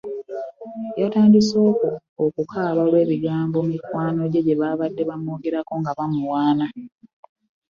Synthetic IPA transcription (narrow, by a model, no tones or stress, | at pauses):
jataːndiso̞ːkoː | kukʰaːβalwe̞ːβiɡaːmbo̞mikwaːno̞ɟe̞ɟe̞βaβadːe̞βamo̞ːɡe̞ɾako̞ŋɡaβamuwaːna